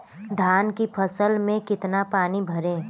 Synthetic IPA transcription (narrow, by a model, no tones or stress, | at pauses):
d̪ʱaːnkipʰəsəlmẽkɪt̪napaːnibʱɐɾẽː